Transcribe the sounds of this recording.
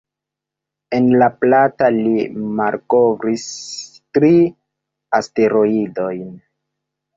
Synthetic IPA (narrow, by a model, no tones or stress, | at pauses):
enlaplatalimalkovɾis | tɾi | aste̞ɾo̞ido̞jn